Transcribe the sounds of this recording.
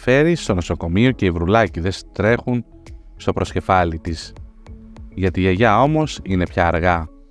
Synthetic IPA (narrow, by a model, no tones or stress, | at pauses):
fe̞ɾist̪o̞no̞so̞ko̞mio̞ce̞ivɾulɐciðe̞st̪ɾe̞xun | st̪o̞pɾo̞sce̞fɐlit̪is | ʝɐt̪ieʝɐo̞mo̞sine̞pçɐːɾɣɐ